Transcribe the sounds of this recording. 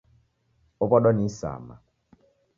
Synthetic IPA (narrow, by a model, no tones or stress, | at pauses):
opɔɗɔnisa̰ma̰